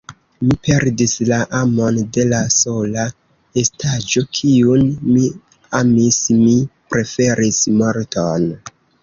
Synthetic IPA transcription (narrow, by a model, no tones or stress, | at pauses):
mipe̞ɾdislaʔamo̞nde̞laso̞la | e̞stad͡ʒo̞kʰiunmi | amismipɾe̞fe̞ɾʔismo̞ɾton